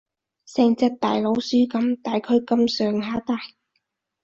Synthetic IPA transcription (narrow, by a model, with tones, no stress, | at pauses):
sɛː˨˧ŋt͡sɐ˧t̚t̪aː˨˩jlo˨˧˥wsyː˥kɐ˨˧˥mt̪aː˨jkʰɵ˥˧˥ɥkɐ˧msœː˨ŋɦaː˨˥t̪aː˨j